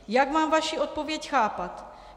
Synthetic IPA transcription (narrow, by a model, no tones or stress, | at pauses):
jakmaːmvaʃiʔo̞t̪̚po̞vjɛcxaːpat̪